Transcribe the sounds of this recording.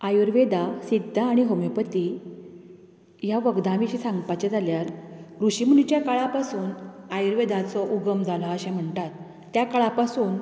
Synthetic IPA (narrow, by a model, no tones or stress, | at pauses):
ajuɾʋed̪asid̪ʱːaːɽ̃iɦəmjəpət̪i | jaʋəɡd̪ãʋiɕisãŋɡpat͡ɕɛd͡zaljaɾɾuɕimunit͡ɕjakaɭapasuːnajuɾʋed̪at͡sɔʔuɡəmd͡zʱalɔəɕɛ̃m̤əɳt̪at̪ː | jakaɭapasuːn